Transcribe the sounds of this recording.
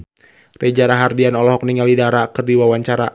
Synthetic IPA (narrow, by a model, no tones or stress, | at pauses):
rɛd͡ʒaɾaɦardianɔlɔɦɔk̚niŋalidaɾakɨrdiwawaɲt͡ʃaɾa